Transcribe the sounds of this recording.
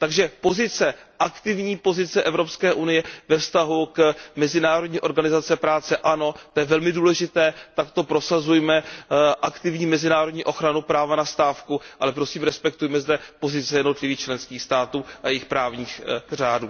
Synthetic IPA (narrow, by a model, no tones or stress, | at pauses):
t̪aɡʒɛpo̞zɪt͡sɛʔakt̪ɪvɲiːpo̞zɪt͡sɛʔɛvɾo̞pskɛːʔunɪjɛvɛfst̪aɦukmɛzɪnaːɾodɲiːʔo̞ɾɡanɪzat͡sɛpɾaːt͡sɛʔano̞t̪ojɛvɛlmɪduːlɛʒɪt̪ɛːt̪akt̪opɾo̞sazujmɛʔakt̪ɪvɲiːmɛzɪnaːɾodɲiːʔo̞xɾanupɾaːvanast̪aːfkuʔa̰lɛpɾo̞siːmɾɛspɛkt̪ujɛmɛzdɛpo̞zɪt͡sɛjɛdno̞t̪lɪviːxt͡ʃlɛnskiːxst̪aːt̪uːʔajɛjɪxpɾaːvɲiːxr̝aːduː